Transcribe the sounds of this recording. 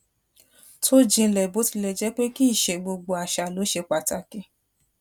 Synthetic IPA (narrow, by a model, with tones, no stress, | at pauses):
tʰo˦d͡ʒĩ˧lɛ˨bo˨˦ti˧lɛ˧d͡ʒɛ˦k͡pe˦ki˦˨ʃɛ˨ɡ͡bo˧ɡ͡bo˧a˨ʃa˨lo˨˦ʃe˧k͡pa˨ta˧ke˧˦